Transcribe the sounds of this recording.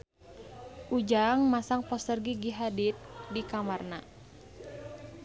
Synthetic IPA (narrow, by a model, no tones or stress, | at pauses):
ʔud͡ʒaŋmasaŋpɔst̪ərɡiɡiɦadit̪̚dikamarna